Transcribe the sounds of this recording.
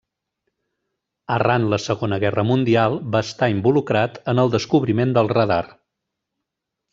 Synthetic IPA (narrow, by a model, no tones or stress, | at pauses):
əranləsəɣonəɣɛrəmund̪ialˠbaəst̪aimbulukɾat̪ənəlˠd̪əskuβɾimend̪əlˠrəðar